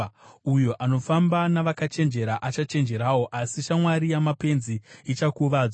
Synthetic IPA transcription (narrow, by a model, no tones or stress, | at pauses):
ujoʔano̞fambanaʋakat͡ʃe̞nd͡ʒe̞ɾaʔat͡ʃat͡ʃe̞nd͡ʒe̞ɾaːwo̞ʔasiʃamwaɾijamape̞nziit͡ʃakuʋaː